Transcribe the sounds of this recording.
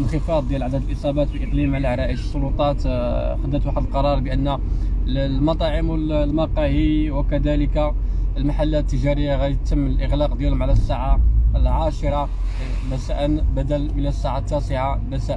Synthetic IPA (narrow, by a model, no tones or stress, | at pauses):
ənxəfɑd̪ˤd̪jælʕad̪æd̪əlʔəsˤɑbɑt̪wiʔəqlimʕalæʕɾˤæʔəʃəsˤːolut̪ˤɑt̪ | xəd̪ːət̪waħəd̪əlqɑɾˤɑɾˤbəʔənːæ | lmɑt̪ˤɑʕəmwəllmɑqɑhiwəkæd̪æləkalmaħalːæt̪ːəʒæɾəjːaɣæjt̪ːəmːəlʔəɣlɑqd̪jælhʊmʕalæsːaʕaəlʕaʃəɾˤɑ | mæsæʔənbæd̪ælmənəsːaʕat̪ːæsəʕamæsæʔ